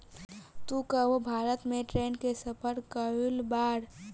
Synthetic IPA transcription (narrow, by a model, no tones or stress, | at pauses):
t̪ukəʋobʱaːɾət̪mẽʈɾeːnkesəpʰəɾkəulbaːɾ